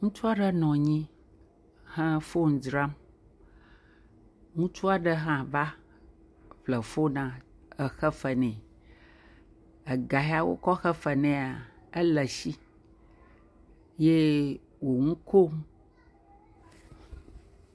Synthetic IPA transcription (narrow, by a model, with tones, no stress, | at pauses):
ŋũ˦t͡ʃu˦a˦ɖə˦nɔ̃˨ɲĩ˦ | hə̃˦fo˦ŋ̩̃˨d͡ʒɾa˦m | ŋũ˦t͡ʃu˦a˨ɖə˦ɦã˦˨va˦ | ɸlə˨fo˦nã˨ | ə˨xə˦fə˨nɛ̃˨ | ə˨ɡa˨ɦa˦wo̰˦kɔ˦xə˦fə˨nɛ̃˨a˨ | ə˦lə˨si˦ | je˦ | wo˨ŋũ˦ko˦m˦